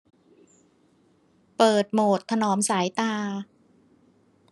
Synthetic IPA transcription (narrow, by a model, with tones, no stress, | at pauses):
pɤː˨˩t̪̚moː˨˩t̪ʰːa˧nɔː˩˦msaː˩˦jt̪aː˧